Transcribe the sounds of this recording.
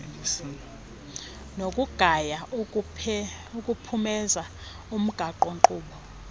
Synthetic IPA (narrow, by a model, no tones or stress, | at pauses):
nokʼuɡ̥ʱaja | ukʼupʰumɛza | um̩ɡ̥ʱaǃɔŋǃuːɓɔ